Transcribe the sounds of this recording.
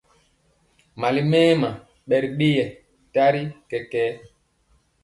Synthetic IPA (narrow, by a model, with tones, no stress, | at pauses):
ma˨li˦mɛː˦ma˨ | ɓɛ˨ɾɗi˦jɛ˨ | ta˦ɾi˦kɛ˨kɛː˦